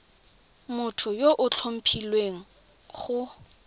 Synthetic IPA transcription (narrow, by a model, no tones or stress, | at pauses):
mʊtʰʊjoʔʊt͡ɬʰom̩pʰilweŋ̩ | χʊ